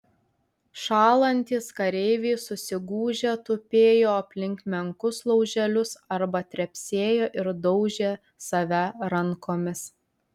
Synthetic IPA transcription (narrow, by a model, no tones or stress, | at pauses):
ʃɑːlˠɐnʲt̪ʲiːskɐɾʲɛɪʋʲiːsʊsʲɪɡuːʒʲet̪ʊpʲeːjoːɐpʲlʲɪŋʲkmʲɛŋkʊslˠɔʊʒʲɛlʲʊsɐɾbɐt̪ʲɾʲɛpʲsʲeːjoːʔɪɾd̪ɔʊʒʲeː | sɐʋʲɛɾɐŋkoːmʲɪs